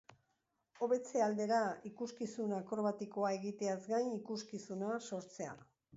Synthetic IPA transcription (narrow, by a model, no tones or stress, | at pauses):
o̞βe̞t͡se̞ald̪e̞ɾaikuskisunakoɾβat̪iko̞ae̞ɣit̪e̞azɡajnikuskisunaso̞ɾt͡se̞a̰